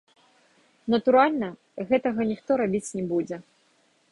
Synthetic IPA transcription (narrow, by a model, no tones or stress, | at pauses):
nɐt̪uɾalʲnɐ | ɣɛt̪ɐɣɐnʲixt̪ɔɾabʲit͡sʲnʲɛbud͡zʲɛ